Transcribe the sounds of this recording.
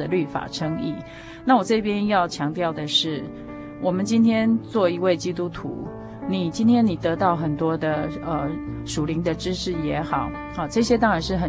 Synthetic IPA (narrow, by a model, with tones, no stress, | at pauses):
ly˥˩fa̰˨˩ʈ͡ʂʰɤ˥ŋi˥˩ | na˥˩wɔ˨˩t͡sɤ˥˩˧pjɛ˥njɑ˥˩ʊt͡ɕʰjɑ˧˥ŋt̪jɑ˥˩ʊd̪ə˩ʂɻ̩˥˩ | wɔ˨˩mə˨˦nt͡ɕi˥nt̪ʰjɛ˥nt͡swɔ˥˩i˧˥we˥˩ɪt͡ɕi˥t̪u˥t̪ʰṵ˧˥ | ni˨˩t͡ɕi˥nt̪ʰjɛ˥ni˨˩t̪ɤ˧˥t̪ɑ˥˩ʊxə˨˩nt̪wɔ˥d̪ə˨ə˧ʂu˨˩li˧˥ŋd̪ə˧ʈ͡ʂɻ̩˥ʂɻ̩˥˩jɛ˧˥xɑ˨˩˦ʊ | ə˨˩ʈ͡ʂɤ˥˩˧ɕjɛ˥t̪̬ɑ˥ŋɻa˧˥nʂɻ̩˥˩xə˨˩